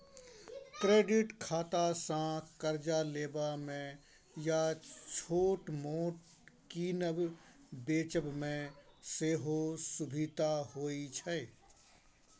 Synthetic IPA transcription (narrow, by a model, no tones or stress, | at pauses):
kɾeːɖɪʈkʰaːt̪asãkəɾd͡ʒaleːbamẽ | jat͡ʃʰoːʈmoːʈ | kinəb | beːt͡ʃəbmẽseːɦosʊbʱit̪aɦoːit͡ʃʰəe